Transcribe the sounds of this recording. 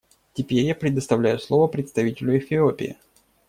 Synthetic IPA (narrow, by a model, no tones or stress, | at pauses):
tʲɪpʲeɾʲjapɾʲɪd̪əst̪ɐvlʲæjʊslˠo̞vəpɾʲɪt̪st̪ɐvʲitʲɪlʲʊɪfʲɪopʲɪ̰ɪ̰